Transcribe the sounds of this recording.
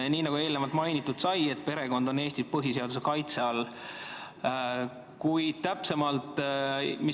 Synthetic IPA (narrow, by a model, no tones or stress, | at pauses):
niːnɑɡ̥ue̞ːlnevɑlt̪mɑjnit̪ːˑud̪̥sɑje̞t̪̚pe̞ɾe̞ɡo̞nd̪o̞ne̞ːst̪itpɤɦiseɑd̪̥use̞kɑjt̪se̞ɑlː | kujd̪̥̚t̪æpse̞mɑlt̪mi